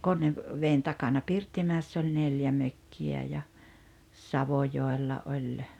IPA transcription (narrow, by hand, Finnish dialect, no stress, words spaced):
ʋeːn tɑkɑnɑ pirtːimæˑesː olʲ neljæ møkːiæ jɑ sɑʋojoˑelːɑ olʲ